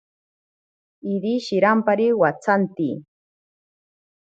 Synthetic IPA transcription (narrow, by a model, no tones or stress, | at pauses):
id̪iʃɪɾampaɾiwat͡sant̪ḭ